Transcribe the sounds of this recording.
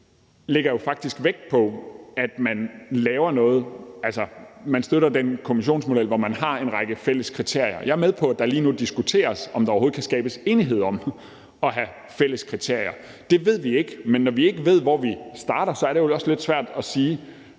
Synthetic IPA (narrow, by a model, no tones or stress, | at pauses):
le̝ɡ̥ɐjo̝fɑ̈ɡ̥̚d̥isɡ̥ʋeɡ̥̚pʰɒ̽æd̥mænlɛːʊɐnɔ̽ːð̞̩ˠælsɐmænsd̥øɾɐd̥enkʰo̝miɕ̬o̝̰ːnsmo̝d̥el̰ʋɒmænhɑ̈e̝nʁɑɡ̥əfel̰əskʰʁit͡sʰe̝ɐ̰jɐ̰jɑ̈ɪæɐmeð̞ˠpʰɒ̽æd̥ɑliːnud̥isɡ̥ut͡sʰe̝̰ːɐsɒ̽md̥ɑ̈ɒʊho̝ð̩ˠkʰæsɡ̥ɛːb̥əse̝ːniɦe̝ð̞̰ˠɒ̽m | ɒ̽ɦæ | fel̰əskʰʁit͡sʰe̝ɐ̰jɐ | d̥e̝ʋe̝ð̞̰ˠʋie̝ɡ̥əmenːɒʋie̝ɡ̥əʋe̝ð̞̰ˠʋɒʋisd̥ɑ̈ːɾ̥ɐsɒ̽æɐɾ̥eoɒ̽sle̝d̥sʋæɐ̰d̥ɒ̽siː